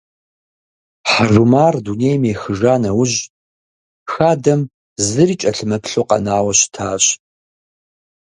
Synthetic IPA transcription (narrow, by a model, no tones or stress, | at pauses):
ħaʒumaːrduneːjmeːxɨʒaːnɐwʊʑ | xaːdɐm | zɨriːt͡ʃʼɐɬɨmɐpɬoːqɐ̰naːwɐɕtʰaːɕ